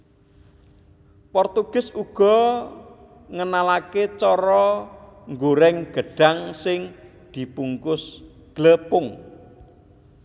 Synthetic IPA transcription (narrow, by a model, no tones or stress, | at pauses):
pɔrt̪uɡ̥ɪ̤suɡ̥ɔ̤ | ŋənalaket͡ʃɔɾɔŋɡoɾɛŋɡ̥ə̤ɖ̥a̤ŋsɪŋ | d̪̥i̤puŋkʊs | ɡ̥ləpʊŋ